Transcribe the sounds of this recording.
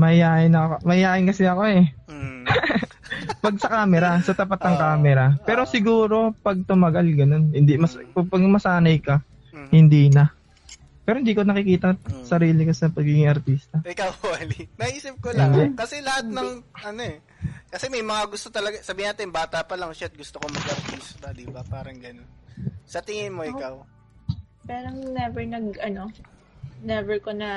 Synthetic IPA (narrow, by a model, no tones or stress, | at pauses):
mɐɪjaːʔɪnɐomɐɪjaːʔɪnkɐsɪɐko̞ɛ | pɐɡ̚sɐkaːmɛɾasɐt̪ɐpat̪nɐŋkaːmɛɾapɛːɾo̞sɪɡuːɾo̞pɐɡ̚t̪ʊmɐɡalɡɐno̞nhɪnd̪imɐspɐpɐɡmɐsaːnɐjkɐ | hɪnd̪iːnɐ | pɛːɾohɪnd̪iːkonɐkɪkiːt̪ɐsɐɾiːlɪkɐsɐpɐɡiːɡɪŋʔɐɾt̪iːst̪ɐɪkawɐlinɐʔiːsɪp̚kolakɐsɛlɐhat̪̚nɐŋʔɐnoɛ | kɐsɛmɐjmɐŋaɡʊst̪ot̪ɐlɐɡasɐbiːhɪnaːt̪ɪnbaːt̪ɐpɐlaŋʃat̪̚ɡʊst̪okomɐɡʔɐɾt̪iːst̪ɐd̪ɪbapaːɾɐŋɡɐno̞nsɐt̪ɪŋɪnmo̞ʔɪkaw | pɛːɾɐŋnɛvɛɹnɐɡɐno̞ | nɛvɛɹkonɐ